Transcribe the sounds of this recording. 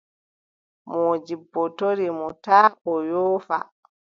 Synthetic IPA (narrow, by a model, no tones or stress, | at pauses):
moːd͡ʒibːɔtoɾimɔtaːʔɔjɔːfa̰